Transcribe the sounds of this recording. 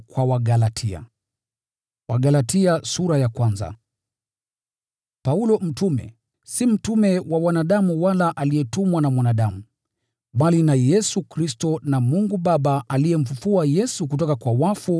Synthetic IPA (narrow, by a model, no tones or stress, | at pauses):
kwawaɡalatʰia̰ | waɠalatiasuɾajakwanza̰ | paulɔm̩tumɛ̰ | sim̩tumɛwawanaɗamuwalaʔaliɛtumwanamwanaɗamu | ɓalinajɛsukɾistɔnamuŋɡuɓaɓaalijɛm̩fufuajɛsuk̬utɔkakwawafu